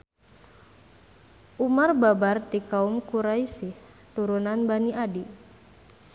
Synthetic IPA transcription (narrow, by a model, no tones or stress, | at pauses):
ʔumarbabart̪ikaumkuɾaisih | t̪uɾunanbaniʔadi